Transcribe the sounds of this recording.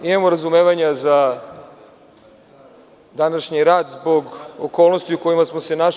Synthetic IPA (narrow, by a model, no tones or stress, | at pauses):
imamoɾazumeːʋaɲaza | d̪anaʃɲiɾaːd̪zbo̞ɡo̰ko̞ːlˠno̞st̪iuko̞jimasmo̞sena